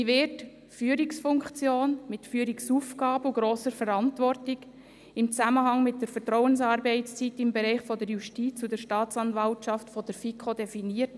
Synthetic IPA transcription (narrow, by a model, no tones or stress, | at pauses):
ivɪɾt | fyːəɾiksfʊŋkt͡sjoːnmɪtfyːɾiksuːfɡ̥ɑːbəuɡɾoːsəɾfɛɾɑntvɔrtɪɡ | ɪmt͡saməɦɑŋmɪt̚d̥əɾfɛɾtɾɔʊənsɑːɾbɛɪt͡st͡sitɪmbɛɾɛɪχfɔdəɾjuʃtiːt͡sudɛɾʃtɑːt͡sɑnvɑltʃɑftfɔd̥əɾfikʰodɛfiniːət